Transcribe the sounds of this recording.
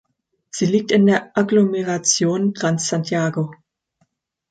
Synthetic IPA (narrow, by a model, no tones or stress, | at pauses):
z̥iːliːk̚tɪndeːɐʔaɡlomɛʁat͡sjoːntʁ̥ant͡ssantʰjaːɡo